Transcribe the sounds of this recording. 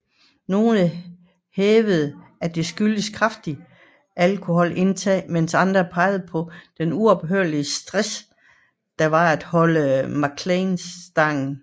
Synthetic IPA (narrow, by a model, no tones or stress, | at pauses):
no̝ːnə | heːʋəð̞̩ˠæd̥e̝sɡ̥yləskʰʁɑfd̥i | ʔælkʰo̝ɦɒ̽l̰ʔe̝nt͡sʰɛ̰ːmensɑ̈nd̥ʁɐpʰɑ̈ɪð̞̩ˠəpʰɒ̽d̥enuɒ̽b̥ɦøɐliəsd̥ʁɛs | d̥ɑ̈ʋɑ̈æd̥hɒ̽ləmɑ̈kʰlensd̥ɑ̈ŋ̰n̩